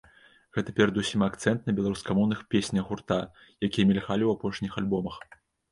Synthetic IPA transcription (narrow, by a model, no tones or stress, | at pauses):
ɣɛt̪ɐpʲɛɾɐd̪usʲimakt̪sɛnt̪̚nɐbʲɛlˠaɾuskɐmɔwnɨxpʲesʲnʲɐɣɣurt̪a | jakʲijɐmʲɛlʲɣalʲiwapɔʂnʲixalʲbɔmɐx